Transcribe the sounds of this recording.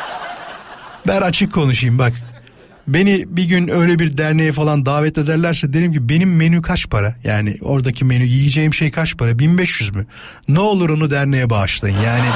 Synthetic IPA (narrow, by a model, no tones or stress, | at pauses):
bænat͡ʃʰɯkʰːo̞nuʃɯjɯmbak | be̞nibiɟynø̞jlʲebiɾd̪æɾnejɛfalˠand̪aːvɛt̪e̞d̪æɾlʲæɾsɛd̪ieɾimcʰibe̞nimːe̞nykʰat͡ʃpʰaɾajaːnɪ̰o̞̰ɾd̪acʰime̞nyjijid͡ʒe̞jimʃejkʰat͡ʃpʰaɾabinbɛʃjyzmy | nɛo̞lˠuɾo̞nud̪æɾne̞jɛbaʃlˠajɯnjaːnɪ